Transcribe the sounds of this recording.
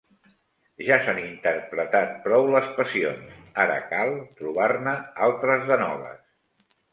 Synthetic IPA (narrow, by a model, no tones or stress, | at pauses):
ʒasanint̪ərpɾət̪at̪̚pɾɔwləspəsionsaɾə̰kalˠt̪ɾuβ̞arnəalˠt̪ɾəzðənɔ̰βə̰s